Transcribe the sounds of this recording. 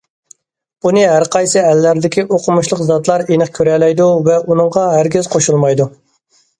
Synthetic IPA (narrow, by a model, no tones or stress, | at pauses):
unɨɦæɾqʰɑjsɨælːæɾd̪ɪkʲiʔoqʰʊmuʃlˠəqzɑt̪lˠɑɾenəχkʲʰøɾɛlɛjd̪uvɛʔunɨŋʁɑɦæɾɡʲizqʰoʃulˠmɑjd̪u